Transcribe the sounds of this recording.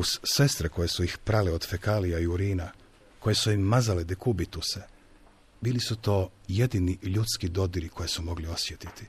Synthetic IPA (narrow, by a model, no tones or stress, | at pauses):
uz̥ːe̞st̪ɾeko̞je̞suixpɾaleo̞d̪fekalijaiuɾiːna | ko̞je̞suimːazaled̪ekubit̪use | biːlisut̪o̞ːje̞d̪iniʎut̪skid̪o̞d̪iɾikʰo̞jesumo̞ɡlio̞sjet̪it̪i̥